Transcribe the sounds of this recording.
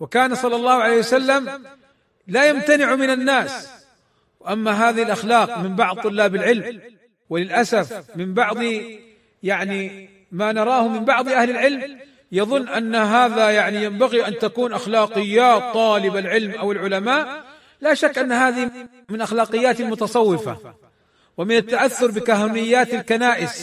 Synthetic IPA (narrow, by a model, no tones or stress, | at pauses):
wɪkaːnasˤɑlːɑlˤːɑːhʕalejːhjwasalːam | laːjamt̪anɪʕmɪnanːaːs | wɪʔamːaɦaːðɪhɪlʔaxlɑːqmɪmbɑʕd̪̚t̪ˤːʊlːaːbɪlʕɪlm | wɪlɪlʔasafmɪmbɑʕd̪ˤ | jaʕni | manɑɾˤɑːhʊmɪmbɑʕðˤʔahlɪlʕɪlm | jɑðˤʊnːʔanːaɦaːðajaʕnijambaɣiʔant̪akuːnʔaxlɑːqɨjːaːt̪ˤːɑːlɪbalʕɪlmʔawɪlʕʊlamaːʔ | laːʃakːʔanːɦaːðɪ | mɪnʔaxlɑːqɪjːaːt̪mʊt̪ɑsˤɑwːɪfa̰ | wɪmɪnat̪ːaʔaθːʊɾˤbɪkaɦanɪjːaːt̪alkanaːʔɪs